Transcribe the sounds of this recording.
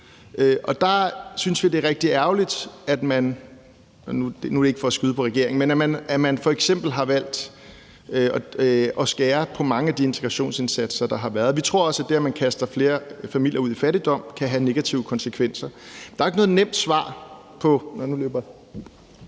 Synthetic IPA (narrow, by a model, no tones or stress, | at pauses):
øʔɒ̽d̥ɑ̈synsʋid̥e̝ʁɛɡ̥̚d̥iæɐʊlid̥æd̥mæn | nud̥enudee̝ɡ̥fɒ̽æsɡ̥yðˠpʰɒ̽ʁɛɡ̥e̝ɐ̰eŋ̩menæmænæmænfɒ̽eɡ̥sem̰b̥l̩ɦɑ̈ʋæl̰d̥ | ɒɒ̽sɡ̥ɛːɐpʰɒ̽mɑ̈ŋəæd̥ie̝nt͡sʰeɡ̥ʁɑɕo̝̰ːnse̝nsæd̥sɐd̥ɑ̈ɦɑ̈ʋæɐðˠʋit͡sʰʁo̝ɐ̰ɒ̽sæd̥eæmænkʰæsd̥ɐfle̝ːɐfæmil̰jɐuð̰ˠifæɾid̥ɒ̽m̰kʰæɦæne̝ɡ̥æt͡sʰiʊəkʰɒ̽nsekʰʋen̰sɐd̥ɑ̈ɐe̝ɡ̥nɔ̽ð̩ˠnem̰d̥sʋɑ̰̈ː | pʰɒ̽nnuløːb̥ɐ